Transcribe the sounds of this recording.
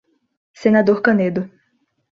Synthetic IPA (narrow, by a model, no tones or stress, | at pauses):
senad̪oɾkɐ̃ned̪ʊ